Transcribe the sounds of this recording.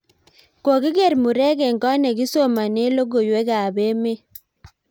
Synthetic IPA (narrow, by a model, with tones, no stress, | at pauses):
ko˨ki˦ɡɛ˦˨ɾmu˨ɾɛ˦kɛ˨ŋɡɔ˦nɛ˨ɡi˦so˦˨ma˨ne˦lo˦ɡo˨jwɛ˦ɡa˨be˦me˦